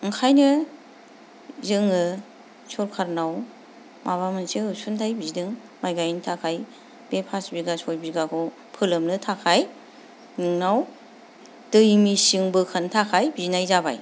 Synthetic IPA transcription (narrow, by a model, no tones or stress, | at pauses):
ŋkʰajnɯ | zɯŋɯ | sʰɔɾkʰaɾnaw | maβamɯnseɯsuntʰajbizidɯŋ | majɡajntʰakʰaj | b̥epʰasbiɡasɔjbiɡakʰɯ | pʰɯlɯmnɯtʰakʰaj | nɯŋnaw | dɯjmisiŋbɯkʰantʰakʰajbinajzaba̰j